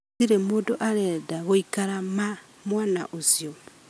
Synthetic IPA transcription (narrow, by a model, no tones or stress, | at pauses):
iɾemoːndoʔaɾedaɣoikaɾama | mwaːna̰ʔosjo